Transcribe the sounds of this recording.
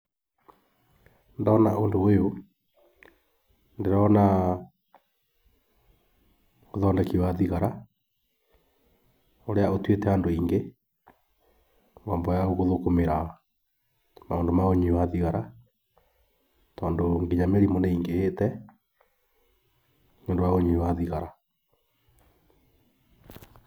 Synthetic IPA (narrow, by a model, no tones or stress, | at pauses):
ndɔːnaʔondoejo | ndeɾɔna | oðɔːndɛkiwaðiɣaɾa | oɾeaotwetɛandoiːŋɡe | ŋɔmbɔjaɣoɣoðokomeɾa | maoːndomaoɲiwaðiɣaɾa | tɔːndoŋɡeɲameɾimɔnɛiŋɡeetɛ | ɲoːndowaɣoɲewaðiɣaɾa